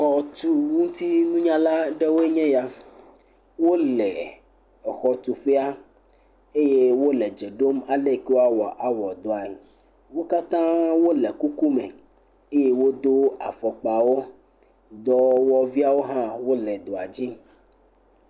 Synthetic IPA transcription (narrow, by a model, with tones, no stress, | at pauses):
xɔ˨t̪u˨wu˦ŋ˦t̪i˦nũ˦ɲã˦la˦ɖe˦wo˦e˦ɲɛ̃˦ja˦ | wo˦lɛ˨ | ɛ˨xɔ˨t̪u˨ɸɛ˦a˦ | e˦je˦wo˦lɛ˨d͡ʒe˨ɖo˦ma˨le˦˨ke˦wo˦a˦wɔ˨ʔa˨wɔ˨d̪o˨a˨ | wo˦ka˦t̪ã˦wo˦lɛ˨ku˦ku˦mɛ̃˨ | e˦je˦wo˦d̪o˦a̰˨fɔ˨k͡pa˨wo˦ | d̪ɔ˦wɔ˨vi˦a˦wo˦ɦã˦wo˦lɛ˨d̪o˨a˨d͡ʑi˦